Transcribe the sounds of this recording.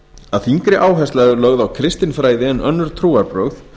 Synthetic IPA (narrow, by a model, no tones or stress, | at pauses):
aðθiŋkɾɪʔaːwɦɛst̪laðʏɾlœɣðawkʰɾɪst̪ɪnfɾaːjðɪɛnʔœnːʏɾ̥t̪ʰɾuːaɾpɾœwɣθ